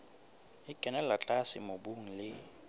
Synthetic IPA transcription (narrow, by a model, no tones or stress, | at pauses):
ɪkʼɛnɛlat͡ɬʼasɪ̰mobuŋ̩lɪ